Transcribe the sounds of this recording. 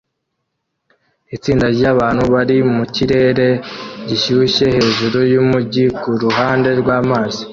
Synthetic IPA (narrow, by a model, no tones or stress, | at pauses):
it͡siːndaɾɟaβaːn̥huβaɾimuciɾe̞ːɾe̞ɟiʃuuʃe̞he̞ːʒuɾojumuɟikuɾuɦaːnde̞ɾɡwaːmaːzi